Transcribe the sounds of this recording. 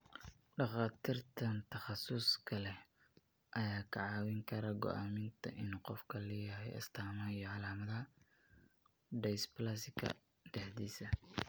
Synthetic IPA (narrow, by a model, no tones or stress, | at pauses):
ɖɑχɑːt̪ʰiːrt̪ʰɐnt̪ʰɐχɑsʊskʰɐlɛ | ʔɐjaːkʰɐʕɑːwɪŋkʰɐɾɐɡɔ̰ʔaːmɪnt̪ʰɐ̰ʔɪnqɔfkʰɐlɛːjɐɦɛjɐ̰st̪ʰaːmɐijɔʕɑlaːmɐðɐɐ | ɖɛjsplasɪkʰɐ̰ | ɖ̪ɛħd̪iːsɐ